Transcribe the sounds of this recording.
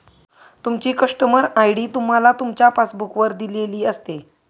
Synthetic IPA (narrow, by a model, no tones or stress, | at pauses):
t̪umt͡ɕiːkəʂʈəməɾajɽiːt̪um̤alat̪umt͡ɕjafasbukʋəɾd̪ileliːəst̪e